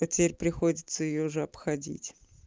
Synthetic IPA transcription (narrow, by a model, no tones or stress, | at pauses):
ɐtʲɪpʲeɾʲpɾʲɪxodʲɪt̪səjɪjoʐɨɐpxɐdʲḭtʲ